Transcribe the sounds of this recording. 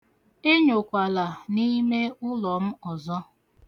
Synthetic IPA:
ɪ˦ɲʊ˨kʷa˨la˨ni˦me˦ʊ˦lɔ˨m̩˦ɔ˨zɔ˦

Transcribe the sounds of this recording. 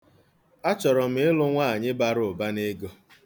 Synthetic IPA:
a˦t͡ʃɔ˨ɾɔ˨m̩˦ɪ˦lʊ˦ŋʷa˦a˨ɲɪ˦ba˦ɾʊ˨ʊ˨ba˦ne˦ɡo˦

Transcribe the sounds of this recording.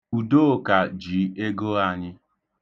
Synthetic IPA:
u˨do˦o˨ka˨d͡ʒi˨˦e˦ɡo˦a˨ɲɪ˦

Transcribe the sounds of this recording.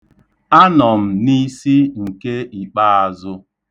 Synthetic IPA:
a˦nɔ˨m̩˨ni˦si˦ŋ̩˨ke˦i˨k͡pa˦a˨zʊ˦

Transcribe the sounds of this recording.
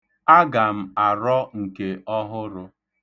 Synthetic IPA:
a˦ɡa˨m̩˦a˨ɾɔ˦ŋ̩˨ke˨ɔ˦ɦʊ˦ɾʊ˦

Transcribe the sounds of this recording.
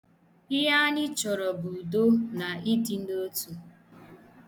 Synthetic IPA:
ɪ˦ɦa˦ɲɪ˦t͡ʃɔ˨ɾɔ˨bu˨do˦na˨i˦di˨n̩˦o˦tu˨

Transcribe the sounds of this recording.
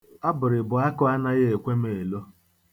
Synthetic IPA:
a˦bʊ˨ɾɪ˨bʊ˨a˦kʊ˦a˦na˦ɣe˦e˨kʷe˦me˨e˨lo˦

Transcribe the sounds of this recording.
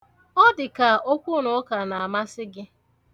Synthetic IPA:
ɔ˦dɪ˨ka˨o˦kʷu˦nʊ˨˦ka˨na˨a˨ma˦sɪ˦ɡɪ˦

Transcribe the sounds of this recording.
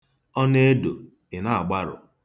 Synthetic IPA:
ɔ˦ne˦do˨ | ɪ˨na˦a˨ɡ͡ba˦ɾʊ̰˨

